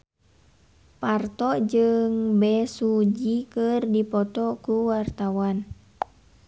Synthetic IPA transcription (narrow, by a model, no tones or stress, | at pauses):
part̪ɔd͡ʒɨŋbɛsud͡ʒikɨrdipɔt̪ɔkuwart̪awan